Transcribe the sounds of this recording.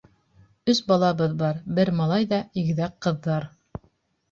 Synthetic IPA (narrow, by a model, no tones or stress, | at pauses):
ɵsbɑlˠɑβɤðbɑɾbɘɾmɑlˠɑjðɑiɡɘ̆ðækqːɤ̆ðːɑɾ